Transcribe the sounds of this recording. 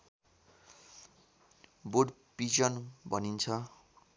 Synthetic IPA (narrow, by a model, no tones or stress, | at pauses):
boɖpid͡ʒʌnbʱʌnint͡sʰʌ